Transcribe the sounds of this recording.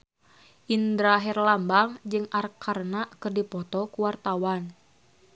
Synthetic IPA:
ʔind̪ɾaɦɛrlambaŋd͡ʒɨŋarkʰarnaʔkɨrdipɔt̪ɔkuwart̪awan

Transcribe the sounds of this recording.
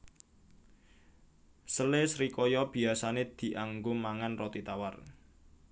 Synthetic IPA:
səlesɾikɔjɔb̥i̤asaned̪̥i̤ʔaŋɡʊmaŋanrɔt̪it̪awar

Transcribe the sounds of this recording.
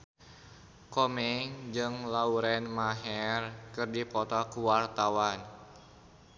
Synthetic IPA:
komɛŋd͡ʒɨŋlauɾɛnmaɦɛrkɨrdipɔt̪ɔkuwart̪awan

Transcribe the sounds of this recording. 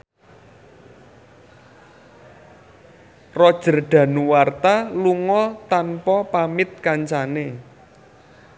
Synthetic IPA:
rɔd̥ʒ̥ə̤rɖ̪̥ä̤nuwart̪aluŋɔt̪anpɔpamɪt̪̚kaɲt͡ʃane

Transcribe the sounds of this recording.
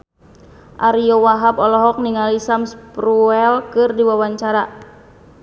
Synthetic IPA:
ʔaɾiɔwaɦabɔlɔɦɔk̚niŋalisamspɾuɛlkɨrdiwawaɲt͡ʃaɾa

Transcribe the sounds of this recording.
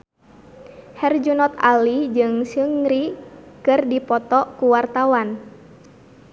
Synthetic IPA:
hɛrd͡ʒunɔt̪a̰lid͡ʒɨŋsɨŋɾikɨrdipɔt̪ɔkuwart̪awan

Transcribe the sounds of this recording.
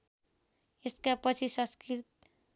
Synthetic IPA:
eskapʌt͡sʰisʌ̃skit̪̚

